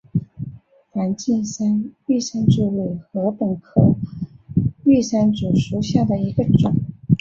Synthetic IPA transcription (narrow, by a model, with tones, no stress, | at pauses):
ta˧˥nt͡ɕi˥˩nsa˥ny˥˩ʂa˥nʈ͡ʂu˥˧lu˥˩xɤ˧˥pə˨˩nkʰɤ̰˨˩ | y˥˧sa˥nʈ͡ʂu˨˩ʂu˧˥ɕja˥˩d̪ə˩i˧˥ɡə˧ʈ͡ʂʊ˨˩˦ŋ